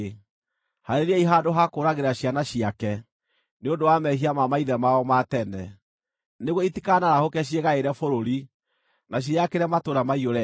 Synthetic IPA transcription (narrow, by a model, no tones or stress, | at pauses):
haɾeɾɛiɦadoɦakoːɾaɣeɾaɕjanaɕiakɛ | neondowamɛɦiamamaiðɛmaɔmatɛnɛ | neɣoitikanaɾahokɛɕ̬jeɣaeɾɛfoɾoɾi | naɕ̬iakeɾɛmatoɾamaioɾɛ